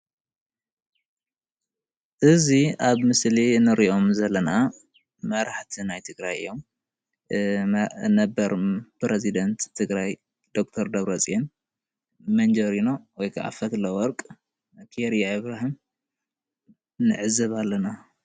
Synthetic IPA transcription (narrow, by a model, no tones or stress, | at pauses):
ʔɨziaβmɨslinɨɾiʔo̞mzɐlːɐna | mɐɾaħt̪ʰinajt̪ʰɨɡɾajɨ̰jːo̞m | nɐbɐɾpɾezid̪ɐnt̪ʰːɨɡɾaj | d̪̥o̞k̚t̪ʰɐɾd̪ɐβɾɐt͡sʼen | mɐnd͡ʒɐɾino̞wɔjkʰa̰ʕa̰fɐt̪lɐwɔɾkʼ | kʰeeɾijaiβɾaɦim | nɨʕɨzɐβalːɐna